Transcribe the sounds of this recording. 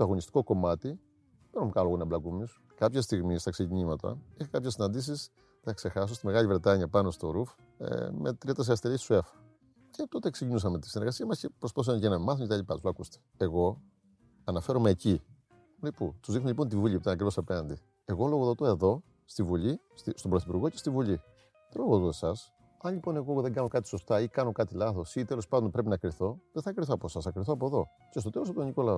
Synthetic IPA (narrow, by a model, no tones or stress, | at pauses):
t̪oɐɣo̞nist̪i̥ko̞ko̞mɐt̪i | peɾomkɐloɣonɐblɐkumisu̥ | kɐpçest̪iɣmist̪ɐkseciɲimɐt̪ɐ̰ixɐkɐpçesːinɐnd̪is̬is | cθɐkse̞xɐs̬ost̪ime̞ɣɐʎivɾe̞t̪ɐɲɐpɐno̞st̪o̞ɾuf | mḛt̪ɾiɐt̪ɐs̬eɐst̪elissue̞fɐ̥ | cet̪o̞t̪eksecinus̬ɐme̞t̪isineɾɣɐsiɐmɐsce̞pɾospausɐmcenɐmmɐθocet̪ɐʎipɐt̪uzloɐkust̪e̥eɣo̞ | ɐnɐfe̞ɾomeːci | liput̪uzðixnumeʎipo̞nt̪̬ivuʎipt̪ɐnɐkɾivo̞sɐpe̞nɐnd̪i | e̞ɣo̞lo̞ɣoðot̪o̞e̞ðo̞ | st̪ivuʎi | st̪ist̪obɾoθipuɾɣo̞cest̪ivuʎi | ðelo̞ɣðot̪oesɐs | ɐnʎipo̞ne̞ɣoðe̞ŋɡɐnokɐt̪i̥so̞st̪ɐikɐno̞kɐt̪ilɐθo̞sit̪e̞lo̞spɐnd̪ompɾe̞pinɐkɾiθo̞ðeθɐkɾiθoɐposɐsɐkɾiθoɐpo̞eðo̞ | cestot̪elosɐt̪oɲiko̞lɐo